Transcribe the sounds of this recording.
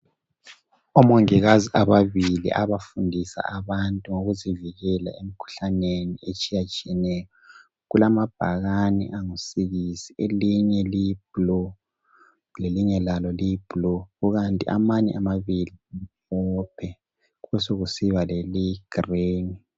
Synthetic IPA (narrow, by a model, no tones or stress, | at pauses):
ɔmoŋiɣaziʔaβaβilḭʔaβafundʱisa̰aβantʼuŋoɣuziviɣɛla̰em̩kʰu̥ɬaneniet͡ʃʼijat͡ʃʼiɛnɛjɔ | ɣulamab̥ʱaɣaniʔaŋusiɣisi̥eliɲɛlijb̥̚lɔ | leliŋɛlalɔlijb̥ʱlɔɣuɣantʼḭʔa̰maɲɛamaβilipɔpʰɛ | ɣuβɛsoɣusiβaleliɡ̥reni